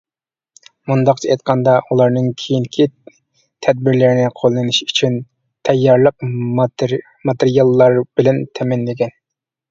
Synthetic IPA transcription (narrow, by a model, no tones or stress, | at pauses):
mund̪ɑq̚t͡ʃʰɑejt̪̚qʰɑnd̪ɑʔulˠɑɾnɨŋkʲʰijiŋkʲʰi | t̪ʰɛd̪̚bɪɾlɪɾnɪqʰolˠːɨnɨʃy̥t͡ʃʰyn | t̪ʰɛjːɑɾlˠəq̚ | mɑt̪eɾijɑlˠːɑɾbɪlɛnt̪ʰɛmɛnlɪɡʲɛn